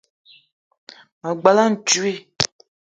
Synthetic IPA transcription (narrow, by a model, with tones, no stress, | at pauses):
ma˨ɡ͡ba˨la˦n̩˨t͡ʃu˦i˦